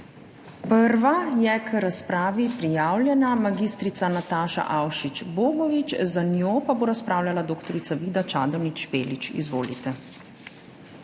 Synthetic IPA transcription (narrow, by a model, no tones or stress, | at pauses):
pəɾʋajɛkʰɾaspɾaːʋipɾijaːwljɛnamaɡiːst̪ɾit̪sanat̪aːʃa̰ʔawʃit͡ʃboːɡɔʋit͡ʃzanjopaboːɾaspɾaːwlʲalad̪oːkt̪ɔɾit̪saʋiːd̪at͡ʃaːd̪ɔnit͡ʃpeːlit͡ʃḭzʋoːlit̪ɛ